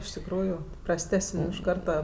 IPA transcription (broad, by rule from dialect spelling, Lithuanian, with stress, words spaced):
ɪʃ tʲɪkˈruːjuː prɐsʲˈtʲæːsənʲ ɪʃ ˈkɐrtɐ